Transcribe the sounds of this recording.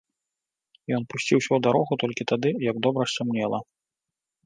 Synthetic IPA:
jɔnpusʲt͡sʲiwsʲɐwd̪aɾɔɣut̪ɔlʲkʲit̪ad̪ɨjɐɡd̪ɔbɾɐssʲumnʲɛlˠɐ

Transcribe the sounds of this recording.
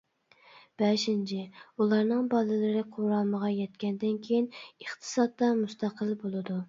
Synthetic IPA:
b̥ɛʃɪnt͡ʃʰɪulˠɑɾnɨŋbɑlˠɨlɨɾɪqʰoɾɑlˠməʁɑjɛt̪kʲɛnd̪ɪnkʲʰejinəχt̪ʰɨ̥sɑd̪ːɑmust̪ɑqʰəlbolˠɨd̪u

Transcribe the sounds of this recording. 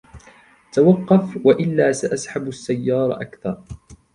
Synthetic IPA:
t̪awɑqːɑfwaʔɪlːaːsaʔasħabasːajːɑːɾˤɑʔakθɑɾˤ

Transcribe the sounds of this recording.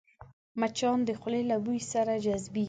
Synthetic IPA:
mat͡ʃɑnd̪əxʊlelabujsaɾad͡ʒazbi

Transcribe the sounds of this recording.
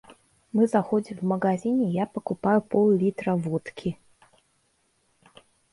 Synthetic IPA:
mɨzaxɔd͡zʲimvmɐɡazʲinʲɪjapɐkupajupʰɔlˠlʲit̪ɾɐvɔt̪kʲʰi

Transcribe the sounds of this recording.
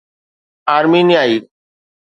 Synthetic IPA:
aːɾmiːnijaːiː

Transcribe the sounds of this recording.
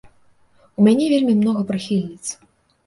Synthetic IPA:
umʲanʲɛvʲelʲmʲimnɔɣɐpɾɨxʲilʲnʲit̪s

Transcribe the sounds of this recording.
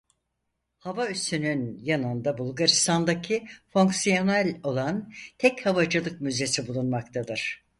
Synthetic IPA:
havayst̪ynynjanɯnd̪abulˠɡaɾist̪ʰand̪acʰifo̞ŋksijo̞nalʲo̞lˠant̪ʰɛchavad͡ʒalˠɯk̚myze̞sibulˠunmakt̪ʰad̪ɯɾ̥

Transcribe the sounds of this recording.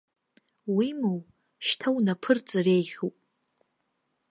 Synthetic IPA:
wimow | ʃtʰawnapʰɨrt͡sʼɨrejχʲupʼ

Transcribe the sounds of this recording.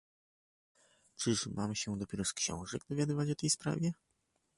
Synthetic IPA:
t͡ʂɘʂmamɕɛd̪ɔpʲjɛɾɔskɕɔ̰̃w̃ʐɛɡ̚d̪ɔvʲjad̪ɘvat͡ɕɔt̪ɛjspɾa̰vʲjɛ

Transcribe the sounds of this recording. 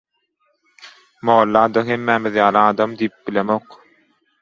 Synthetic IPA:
moːlːɑːd̪ɑɦemːæːmiðjɑːlˠiɑːd̪ɑmd̪ijip̚bilemoq

